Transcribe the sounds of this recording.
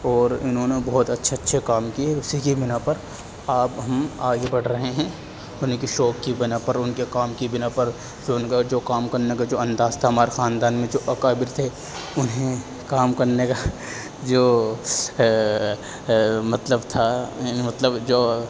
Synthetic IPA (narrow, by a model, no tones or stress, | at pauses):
ɔːɾʊnɦõːnebɔːt̪ɐtːʃʰetːʃʰekaːmkieʊsikibɪnapɐɾ | aːpɦɐmaːɡebɐɽ̤ɾɐɦeɦɛ̃ː | ʊnkiʃɔːkːibɪnapɐɾʊnkekaːmkibɪnapɐɾ | d͡ʒoːnkad͡ʒoːkaːmkɐɾnekad͡ʒoːɐ̃nd̪aːzt̪ʰaɦɐmaːɾexaːnd̪aːnmẽd͡ʒoːʔɐkaːbɪɾt̪ʰe | ʊnɦẽ | kaːmkɐɾneka | d͡ʒoː | mɐt̪ləbt̪ʰamɐt̪ləbd͡ʒoː